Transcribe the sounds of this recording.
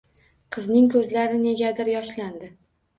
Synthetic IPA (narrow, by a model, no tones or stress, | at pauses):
qʰɨznɪŋkʰɵzlaɾɪne̞ɡʲad̪ɪɾjɒʃland̪ɪ